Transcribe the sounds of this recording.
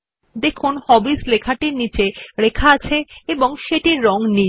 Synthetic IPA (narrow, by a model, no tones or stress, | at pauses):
d̪ekʰonhɔbislekʰaʈinit͡ɕeɾekʰaat͡ɕʰeeboŋʃeʈiɾːɔŋni